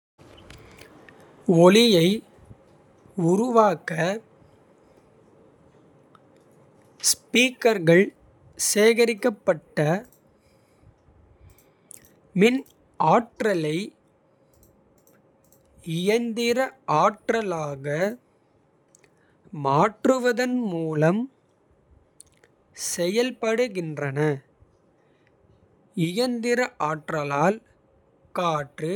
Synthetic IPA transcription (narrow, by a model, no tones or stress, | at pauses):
ɔlɪjɐɪ | ʊɾʊʋaːkːɐ | spiːkɐɾɣɐɭ | seːɣɐɾɪkːɐpːɐʈːɐ | mɪn | aːʈrɐlɐɪ | ɪjɐnd̪ɪɾɐʔaːʈrɐlaːɣɐ | maːʈrɯʋɐðɐnmuːlɐm | sɛjɐlpɐɽɯɣɪndrɐnɐ | ɪjɐnd̪ɪɾɐʔaːʈrɐlaːl | kaːʈrɯ